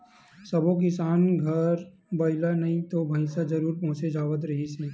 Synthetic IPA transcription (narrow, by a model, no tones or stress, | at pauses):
sɐbõk̬ɪsaːnɡʱɐɾ | bɐɪlanɐɦĩt̪obʱə̃ɪ̃sad͡ʒɐɾuːɾpɔ̃ɦʊ̃t͡ʃed͡ʒaːʋət̪̬ɾɐɦiseː